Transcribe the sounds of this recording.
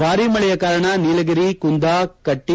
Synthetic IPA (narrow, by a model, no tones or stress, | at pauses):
aːɾimɐɭɛjɐkaːɾɐɳɐniːlɐɡiɾikund̪aːkɐʈːi